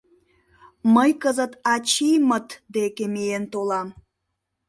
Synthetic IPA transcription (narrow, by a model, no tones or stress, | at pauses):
məjkəzət̪ɑt͡ɕijmət̪d̪ekemejent̪olɑm